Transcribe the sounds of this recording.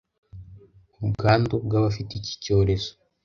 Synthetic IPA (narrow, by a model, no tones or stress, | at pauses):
uɡaːndubɡaβafitici̥co̞ːɾe̞zo